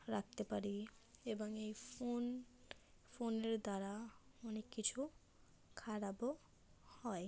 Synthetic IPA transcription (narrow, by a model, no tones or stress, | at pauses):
ɾak̚t̪epaɾieboŋejon | foneɾd̪aɾaɔnekːit͡ɕʰu | kʰaɽabo | hɔe